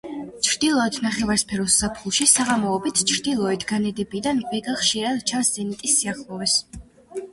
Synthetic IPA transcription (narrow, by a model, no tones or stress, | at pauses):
t͡ʃʰɾd̪ilˠɔɛt̪ʰnaχɛvaɾspʰɛɾɔsːapʰχulˠʃisaʁamɔːbit̪ʰt͡ʃʰɾd̪ilˠɔɛt̪ʰɡanɛd̪ɛbid̪anvɛɡaχʃiɾat͡ʃʰaszɛnit̪ʼisːiaχlˠɔvɛs